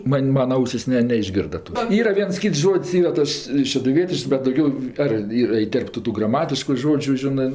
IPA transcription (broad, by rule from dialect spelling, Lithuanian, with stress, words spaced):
ˈmɐnʲ ˈmɑːnɐ ˈɐʊsʲɪs ˈnʲɛ nʲɛɪʒʲˈɡʲɪrdɐ ˈtoːs ˈiːrɐ ˈʋʲiɛns ˈkʲiːts ˈʒoːtʲsʲ ˈiːrɐ ˈtɐs ʃʲɛdʊˈʋʲiɛtʲɪʃks bʲɛt dɐʊˈɡʲɛʊ ɐr ˈiːr ɪˈtʲɛrptʊ ˈtuː ɡrɐˈmɑːtʲɪʃkʊ ˈʒoːd͡ʒʲʊ ˈʒʲɪnɜ